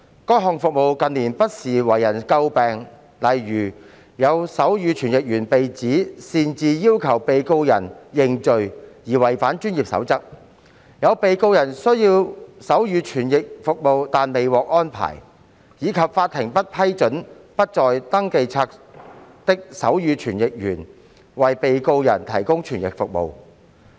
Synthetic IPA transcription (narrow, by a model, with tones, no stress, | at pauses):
kɔː˥jɦɔː˨ŋfʊ˨k̚mo˨˧wkɐ˨˧nliː˨˩npɐ˥t̚siː˨˩wɐ˨˩jːɐ˨˩nkɐ˧wpɛː˨ŋ | lɐ˨jɥyː˨˩ | jɐ˨˧wsɐ˨˥wjyː˨˧t͡ʃʰyː˨˩njɪ˨k̚jyː˨˩npe˨jt͡siː˨˥siː˨˧nt͡siː˨˧jiː˥wkʰɐ˨˩wpe˨˧jko˥wjɐ̰˨˩njɪ˧ŋt͡ʃɵ˨˧ɥjiː˨˩wɐ˨˩jfaː˨˥nt͡ʃyː˥njiː˨p̚sɐ̰˨˥wt͡sɐ˥k̚ | jɐ˨˧wpe˨˧jko˧wjɐ˨˩nsɵ˥ɥjiː˧wsɐ˨˥wjyː˨˧t͡ʃʰyː˨˩njɪ˨k̚fʊ˨k̚mo˨˧wt̪aː˨nme˨jwɔː˨k̚ʔɔː˥npʰa̰ː˨˩j | jiː˨˧kʰɐ˨p̚faː˧t̚t̪ʰːɪ˨˩ŋpɐ˥t̚pʰɐ˥jt͡ʃɵ˨˥n | pɐ˥t̚t͡ʃɔː˨jt̪ɐ˥ŋke˨jt͡sʰaː˧k̚t̪ɪ˥k̚sɐ˨˥wjyː˨˧t͡ʃʰyː˨˩njɪ˨k̚jy̰ː˨˩n | wɐ˨jpe˨jko˧wjɐ˨˩nt̪ʰɐ˨˩jkʊ˥ŋt͡ʃʰyː˨˩njɪ̰˨k̚fʊ˨k̚mo̰˨˧w